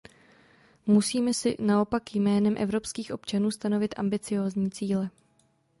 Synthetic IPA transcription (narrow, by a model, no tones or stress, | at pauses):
musiːmɛsɪ̰nao̞pakjjmɛːnɛmʔɛ̰vɾo̞pskiːxʔo̞pt͡ʃanuːst̪ano̞vɪt̪ʔa̰mbɪt͡sɪjo̞ːzɲiːt͡siːlɛ